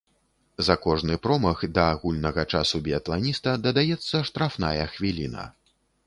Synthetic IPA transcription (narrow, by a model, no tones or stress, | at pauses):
zɐkɔʐnɨpɾɔmɐɣd̪ɐːɣulʲnɐɣɐt͡ʂasubʲiɐt̪lˠanʲist̪ɐd̪ɐd̪ajɛt̪sːɐʂt̪ɾafna̰jɐxvʲilʲinɐ̰